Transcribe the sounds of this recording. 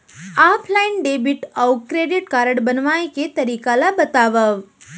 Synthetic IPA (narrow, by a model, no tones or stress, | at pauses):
apʰlainɖebiʈəwʈ̚kɾeɖiʈkaɾəɽbənʋajket̪əɾiːkalabət̪aʋəʋ